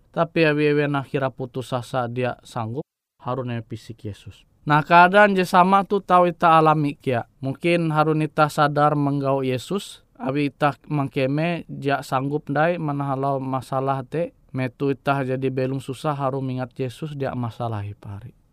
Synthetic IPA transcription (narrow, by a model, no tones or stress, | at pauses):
t̪apiawiewɛnahiɾaput̪usasadiaʔsaŋɡup̚ | haɾuneɛpisikjesus | nahkaːdand͡ʒɛsamat̪ut̪auit̪aːlamikiaʔmuŋkinɦaɾunit̪ahsadarməŋɡaujɛsus | awiːt̪ahmaŋkɛmɛd͡ʒiaʔsaŋɡup̚ndaimanaɦalaumasalaht̪ɛ | mɛt̪uit̪ahd͡ʒadibɛluŋsusaɦaɾumiŋat̪̚jɛsusdia̰ʔmasalaɦɛpaɦaɾi